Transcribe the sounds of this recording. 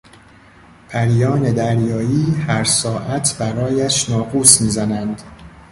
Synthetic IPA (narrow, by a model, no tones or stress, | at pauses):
pʰæɾjɒːne̞d̪æɾjɒːiːhæɾsɒːʔæt̪ʰbæɾɒːjæʃnɒːɡuːsmiːzænænd̪